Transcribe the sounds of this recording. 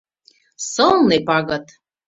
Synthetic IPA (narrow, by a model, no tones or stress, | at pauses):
sɤlˠnepɑɣɤ̆t̪